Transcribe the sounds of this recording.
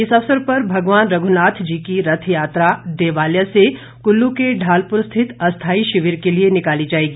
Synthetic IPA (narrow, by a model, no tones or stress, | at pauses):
ɪsɐʋsəɾpɐɾbʱɐɡʋaːnɾɐɡʱʊnaːt̪ʰd͡ʒiːkiɾɐt̪ʰjaːt̪ɾaɖeːʋaːljase | kʊlːũkeɖʱaːlpʊɾst̪ʰɪt̪ɐst̪ʰaːiʃɪʋɪɾkelienɪkaːlid͡ʒaːeːɡiː